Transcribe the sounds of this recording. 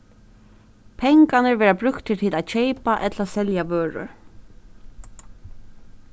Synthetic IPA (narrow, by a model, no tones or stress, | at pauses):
pʰɛŋkanəɹʋɛːɹabɾʉkt̪ʰːɪt̪ʰiːlaːt̪ʃejpaʔɛt̪lasɛljaʋøːɹʊ̰ɹ